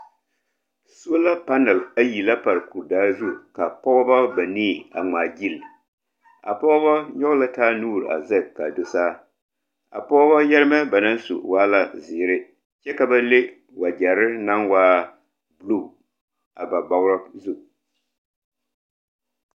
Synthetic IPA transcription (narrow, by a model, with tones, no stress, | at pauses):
su˦o˦la˦pa˦nɛ˨la˦ji˨la˦pa˨ɾku˨ɾdaː˦zu˦ka˨pɔ˦ba˦ba˨niː˦˨a̰˨ŋ͡maː˨ɡi˦˨l | a̰˨pɔ˦ba˦ɲɔ˦ɡla˦taː˦nuː˦˨ɾa̰˨zɛ˦˨kːa˨do˨saː˦ | a̰˨pɔː˦ba˦jɛ˦ɾɨ˦mɛ˦ba˨na˦nsṵ˨waː˦la˨zɪː˨ɾɪ˦ | t͡ʃɛ˦ka˨ba˦le˦ | wa˨d͡ʒɛ˨ɾɪ˦na˦nwaː˦ | blu˦˨ | a̰˨ba˨ba˨ɣɾa˦zu˦